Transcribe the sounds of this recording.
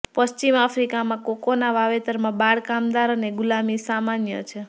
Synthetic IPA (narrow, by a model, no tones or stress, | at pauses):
pəst͡ʃimafʰɾikamãkokonaʋaʋet̪əɾmãbaɭkamd̪aɾəneɡulamisamanjə̰t͡ʃʰe